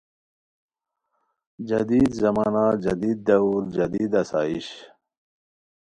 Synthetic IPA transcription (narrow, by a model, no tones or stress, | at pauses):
d͡ʑɐd̪iːd̪zɐmaːnad͡ʑɐd̪iːd̪̚ːɐuɾd͡ʑɐd̪iːd̪ɐsa̰ːiɕ